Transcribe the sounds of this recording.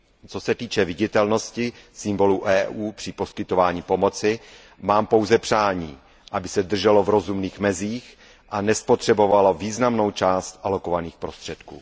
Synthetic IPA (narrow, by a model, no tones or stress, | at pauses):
t͡so̞sɛt̪iːt͡ʃɛvɪɟɪt̪ɛlno̞scɪsɪmbo̞luʔɛːʔuːpr̥ɪpo̞skɪt̪o̞vaːɲiːpo̞mo̞t͡sɪ | maːmpo̞wzɛpr̥aːɲiː | ʔabɪsɛd̪r̩ʒɛlo̞vɾo̞zumniːxmɛziːx | ʔanɛspot̪r̝̥ɛbo̞valoviːznamno̞wt͡ʃaːst̪ʔalo̞ko̞vaniːxpɾo̞st̪r̥ɛt̪kṵː